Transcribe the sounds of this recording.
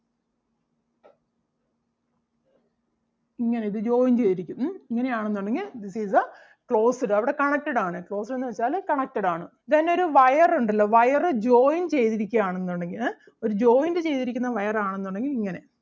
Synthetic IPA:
iŋːɐne̞iðɨd͡ʑo̞ːjnt͡ɕe̞jt̪iɾikʲːumiŋːɐne̞jaːɳenːuɳɖe̞ŋɡild̪isizɐ | kɭo̞ːsɨɽɨɐʋiɽe̞kɐɳɐk̚ʈɐɽaːɳɨkɭo̞ːsɨɾe̞nːɨʋɐt͡ɕːaːlkɐɳɐk̚ʈɐɽaːɳɨ | t̪ɐnːeo̞ɾuʋɐjɐruɳɖilːɐʋɐjɐrɨd͡ʑo̞ːjint͡ɕe̞jt̪iɾikʲːɐjaːɳenːoɳɖe̞ŋɡil | o̞ɾud͡ʑo̞ːjindɨt͡ɕe̞jt̪iɾikʲːunːɐʋɐjɐraːɳenːuɳɖe̞ŋɡiliŋːɐne̞

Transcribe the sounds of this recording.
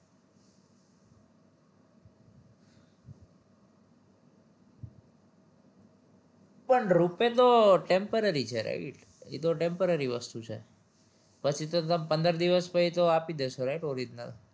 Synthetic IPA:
pəɳɾupet̪oʈempəɾəɾit͡ʃʰeɾa̰iʈ | ḭt̪oʈempəɾəɾiʋəst̪ut͡ʃʰḛ | pət͡ʃʰit̪ot̪əmpənd̪əɾd̪iʋəspəit̪oapid̪eʃoɾaiʈoɾid̪na̰t̪

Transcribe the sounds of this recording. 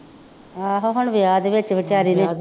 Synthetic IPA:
aːɦoɦoɳʋjaːd̪eʋɪt͡ʃʋɪt͡ʃaːɾiːne

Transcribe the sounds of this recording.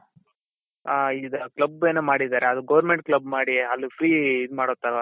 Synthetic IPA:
aːid̪ɐklɐbeːnemaːɽid̪aːɾeɐd̪uɡɐʋɐɾmeɳʈ̚klɐbmaːɽiɐlːipʰɾiːd̪maːɽot̪ːaɾʋa

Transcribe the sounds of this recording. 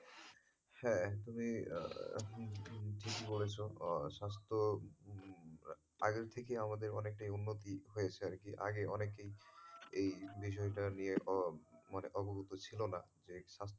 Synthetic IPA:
hɛt̪umḭ | ʈʰikibolet͡ɕʰoʃas̬t̪o | a̰ɡeɾt̪ʰekeamad̪eɾɔnek̚ʈajunːot̪̬iɦojet͡ɕʰeaɾkiʔa̰ɡeɔnekejejbiʃ̬ɔeʈanije | maneʔɔboɡʱut̪ot͡ɕʰilonad͡ʑeʃast̪

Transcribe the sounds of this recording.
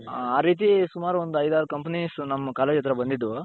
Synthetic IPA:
aːɾiːt̪̬isumaːɾuond̪uɐjd̪aːɾukɐmpnisnɐmːɐkaːleːd͡ʒɐt̪ːɾɐbɐnd̪id̪ːu

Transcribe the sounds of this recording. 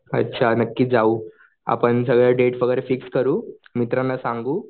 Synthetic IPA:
ə̰tːɕʰanəkːiːd͡zauː | a̰pəɳs̬əɡɭjaɖeʈfəɡəɾefikskəɾuːmit̪ɾanːasãŋɡuː

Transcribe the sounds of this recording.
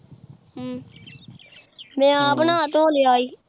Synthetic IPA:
mɛ̃ːaːpnaːət̪õːleaːiː

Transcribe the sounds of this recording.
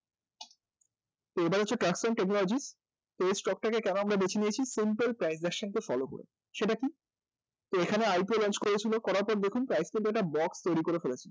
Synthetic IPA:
t̪oebaɾat͡ɕʰːeʈɾaksonʈeknɔlod͡ʑis | t̪oejsʈɔk̚ʈakekɛnoamɾabet͡ɕʰiniet͡ɕʰisimpelpɾajsdɛkʃankefɔ̰loko̰ɾḛ | ʃeʈaki | t̪oekʰaneajpiolɔnt͡ɕkoɾet͡ɕʰilokɔɾaɾpɔɾd̪ekʰunpɾajskint̪uɛk̚ʈabɔkst̪ojɾikoɾefelet͡ɕʰilo

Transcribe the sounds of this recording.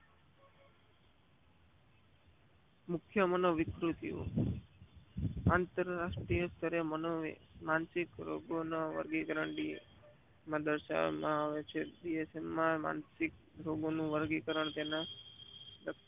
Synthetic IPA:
mʊkʰjəmənoʋɪkɾut̪io̰ | ant̪əɾɾaʂʈɾijəst̪ʰəɾemnomansikɾoɡonaʋə̰ɾɡikəɾəɳɖi | mãd̪əɾʃa̰ʋmãaʋet͡ʃʰeɖiesemːãma̰nsik̚ | ɾoɡonũʋəɾɡikəɾəɳt̪ena | d̪ək

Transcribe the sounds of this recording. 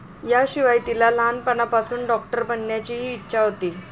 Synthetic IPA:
jaɕiʋajt̪ilalanpəɳapasuːnɖɔk̚ʈəɾbənjat͡ɕiɦiːtːɕʰaɦot̪iː

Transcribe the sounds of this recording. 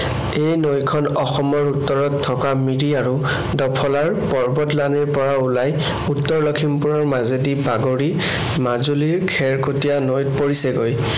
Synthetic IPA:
ejnojkʰɔnɔxɔmɔɹutːɔɹɔtʰːɔkamiɹiaɹu | dɔpʰɔlaɹpɔɹbɔtlaniɹpɔɹaulaj | utːɔɹlɔkʰimpuɹɔɹmazedibaɡoɹi | mazuliɹkʰɛɹkotijanojtpoɹisɛɡoj

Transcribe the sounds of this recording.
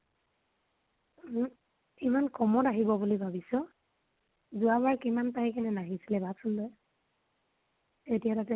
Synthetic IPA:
imankɔmɔtaɦibɔbulibʱabisɔ | zuabaɹkimantaɦikʰɛnɛnaɦisilɛbʱasundɔj | etijatatɛ

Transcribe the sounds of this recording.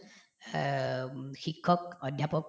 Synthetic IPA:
xikʰːɔk̚ɔdʱjapɔk

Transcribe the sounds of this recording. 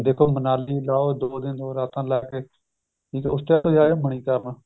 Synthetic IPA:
d̪eːkʰoːmənaːliːlaːoːd̪oːd̪ẽːnd̪oːɾaːt̪ʰãːlaːkeː | ĩːt̪oʊsʈ̪jaːt̪oːjaːjoːməɳ̃ĩːk̪aːmãː

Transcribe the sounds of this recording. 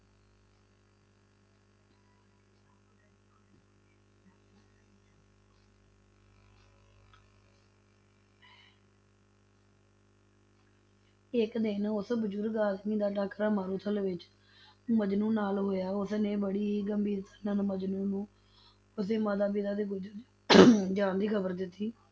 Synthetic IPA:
ɪkd̪ɪːnʊsbəd͡ʒʊɾɡaːsmiːd̪aːʈaːkɾaːmaːɾuːt̪ʰəlʋɪt͡ʃ | məd͡ʒnũːnaːlɦoːjaːʊsnẽːbəɽiːɡəmbiːɾt̪ənənməd͡ʒnũːnũː | ʊs̬eːmaːd̪aːbiːd̪aːd̪eːɡʊd͡ʒəd͡ʒ | d͡ʒaːnd̪iːkʰəbəɾd̪ɪt̪ːiː

